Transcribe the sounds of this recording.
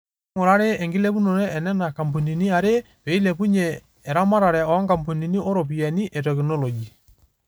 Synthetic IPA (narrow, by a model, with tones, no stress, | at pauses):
ŋʊ˨ɾa˦ɾe˦ɛ˨ŋɡɪ˦lɛ˦pu˦nɔ˨ɾɛ˦ɛ˨nɛ˦na˨ka˨mpo˨ni˨ni˦a˨ɾe˦ | wɛ˨i˦lɛ˨pu˦ɲɛ˨ | ɛ˨ɾa˦ma˦ɾa˨ɾɛ˨ɔ˨˦ŋka˨mpo˨ni˨ni˦ɔ˦ɾɔ˨p̬i˨ɛ˨ni˦ʔɛ˨tɛ˨knɔ˦lɔ˨d͡ʒi˨